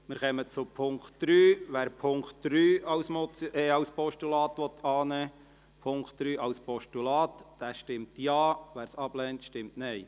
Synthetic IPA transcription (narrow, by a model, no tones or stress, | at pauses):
mɪɾχɛmət͡sʊpʰʊŋktd̥ɾyːʋæːɾpʰʊŋkχtd̥ɾyːɑʊsmɔt͡siʔɛɑʊspɔʃtulɑːt̪ʋɔt̪ʰɑːnɛː | pʰʊŋkχtd̥ɾyːʔɑwspɔʃtulɑːt̪d̥æːʃtɪmt̪jɑːʋæːɾsɑb̥lɛːntʃtɪmtnɛɪj